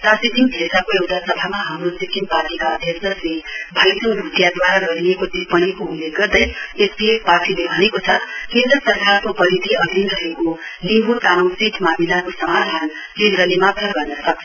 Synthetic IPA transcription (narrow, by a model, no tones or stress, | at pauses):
sasit̪imd̪ʱesakoewʈasʌbʱamaɦamrosik̪imparʈikaʌd̪ʱjʌsʌsebʱalisʌ̃ŋbʱut̪jad̪waɾaɡʌɾiekod̪ipʌnikoulːeɡɡʌrd̪ʌjesleparʈilebʱʌnekot͡sʰʌkind̪usʌrkarkopʌlid̪iʌd̪ʱinɾʌɦeko | limbʱut̪anosit̪ʰmamilakosʌmad̪ʱan | kenɾʌlemat̪ʰʌbɡʌrnʌt͡sʰʌ